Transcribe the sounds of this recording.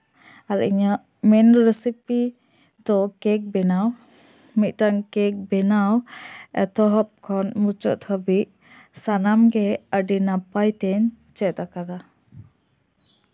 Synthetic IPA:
aɾḭɲaʔ | mɛnɾɛsipi | d̪ɔkɛk̚bɛnaw | mit̪̚ˀʈaŋkɛk̚bɛnawɛ̰t̪ɔɦɔp̚kʰɔnmut͡ʃɔ̰ʔt̪hɔbiʔ̚ | sanamɡɛəɖinapajt̪ɛɲ | t͡ʃɛt̪akad̪a

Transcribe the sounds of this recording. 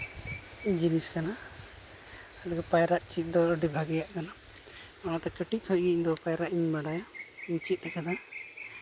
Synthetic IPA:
d͡ʒiniskana | alɡɛpajɾaʔt͡ʃit̪̚ˀd̪ɔɔɖibʱaɡɛjaʔkanaɔnat̪ɛkəʈit̪̚ˀhɔʔɡiʔd̪ɔpajɾaʔiɲbaɖaja | iɲt͡ʃit̪̚ˀɾɛkad̪a

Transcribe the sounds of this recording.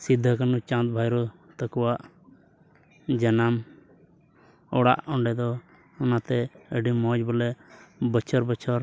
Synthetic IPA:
sid̪ʱːəkanut͡ʃãt̪̚bʱajɾɔ | t̪əkuwaʔ | d͡ʒanam | ɔɽa̰ʔɔɳɖɛd̪ɔ | ɔnat̪ɛəɖimɔ̃d͡ʒbɔlɛbət͡ʃʰɔɾbət͡ʃʰɔɾ

